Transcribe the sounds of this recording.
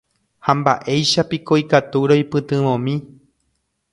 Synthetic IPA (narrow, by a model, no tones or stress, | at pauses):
hãmba̰ʔe̞jʃapikoikat̪uɾojpɨt̪ɨ̃ʋõ̞mĩ